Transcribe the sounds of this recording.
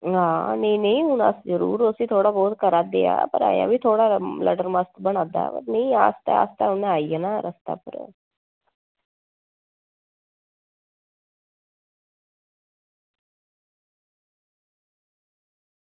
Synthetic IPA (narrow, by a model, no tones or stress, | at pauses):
ɦãːnĩːnəĩːɦʊna̰ːszəɾṵːɾʊsiːt̪ʰoːɽaːbɔːt̪kəɾaːd̪ḛːa̰ːpəɾa̰ːja̰ːbiːt̪ʰoːɽaːlə̰ʈəɾməst̪bəɽ̃ãːd̪a̰ːpə̰ɾnəĩːaːst̪a̰ːa̰ːst̪aːʊnaːiːanaːɾʔəst̪a̰ːpʰə̰ɾ